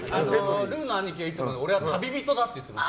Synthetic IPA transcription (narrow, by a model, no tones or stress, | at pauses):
anoɾɯnaɲik̬eis͈omanoɾewat̪ʰabibit̪od̪at̪͈oit̪͈ːema